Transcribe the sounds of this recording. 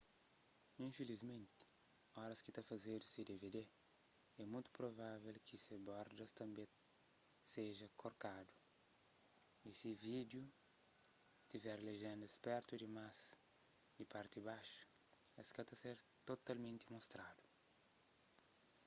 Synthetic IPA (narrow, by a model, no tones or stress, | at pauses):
ĩfelizmẽnt̪ɪ̥ɔɾɐskit̪afɐzed̪usid̪eved̪e | ɛmũjt̪u̥pɾovavelkisebɔɾd̪ɐst̪ɐ̃mbẽ | seʒɐkoɾkad̪u | isivid̪ju | t̪ivɛɾleʒẽnd̪ɐspɛɾt̪ud̪imas | d̪ipaɾt̪ibaʃu̥ɛskat̪aseɾt̪ot̪almẽnt̪imost̪ɾad̪u̥